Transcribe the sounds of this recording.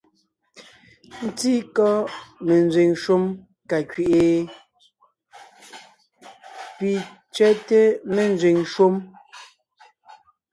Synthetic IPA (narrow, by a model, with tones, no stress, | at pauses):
n̩˦ti˦kɔ˦me˨n˨d͡zɥe˨ŋʃo˦m | ka˨kɥe˨ʔe˨ | pi˨ | t͡ʃɥɛ˦te˦me˨n˦d͡zɥe˨ŋʃo˦m